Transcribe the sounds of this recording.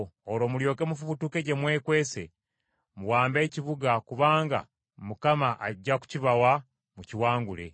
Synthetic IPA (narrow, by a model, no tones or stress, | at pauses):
oɾo̞ːmuljo̞ːke̞mufuβutuke̞ɟe̞mwe̞ːkwe̞ːse̞ | muwaːmbe̞ːciβuɡakuβaːŋɡa̰ | mukamaʔːɟːaku̥ciβawa | muciwaːŋɡule̞̰